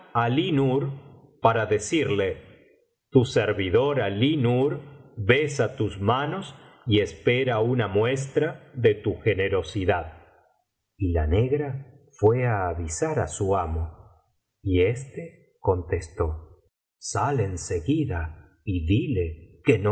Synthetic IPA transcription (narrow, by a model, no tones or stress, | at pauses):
alinuɾ | paɾaðe̞siɾle̞ | t̪useɾβiðo̞ɾalinuɾβesat̪uzmano̞s | ie̞speɾaunamwe̞s̬t̪ɾaðe̞t̪uxeneɾo̞siðað | ila̰ne̞ɣɾa | fwe̞aːβisaɾa̰suamo̞ | iest̪e | ko̞nt̪e̞st̪o | salenseɣiða | iðile̞ken